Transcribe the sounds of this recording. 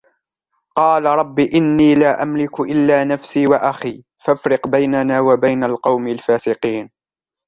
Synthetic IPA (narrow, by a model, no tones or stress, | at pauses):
qɑːlaɾˤɑbːiʔɪnːiːlaːʔamlɪkʔɪlːaːnafsiːwaʔaxiː | fafɾɪqbajnanaːwabajnalqɑwmɪlfaːsɪqiːn